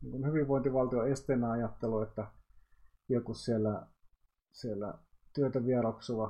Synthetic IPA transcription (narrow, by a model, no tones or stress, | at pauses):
niːŋkunhyʋiʋʋoˑint̪iʋɑlt̪ioest̪eːnːæɑjɑt̪ːeluet̪ːæ | jɑkussielːæ | sielːæ̰t̪yøt̪æʋierɑksuʋɑ